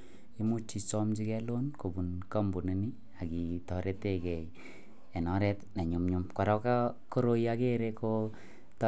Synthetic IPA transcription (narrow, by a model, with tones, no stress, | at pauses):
i˦mu˦t͡ʃːi˨sɔ˦md͡ʒi˦kɛ˦lo˦nko˨bu˨nka˦mbu˨ne˦ni˦ | a˨ki˨tɔ˨ɾe˦te˦kɛ˨j | e˨nɔ˦ɾɛ˦tna˨ɲu˨mɲu˨mka˨ɾɔ˦ka˦ko˦ɾo˦ja˦ke˦ɾeko | ta˨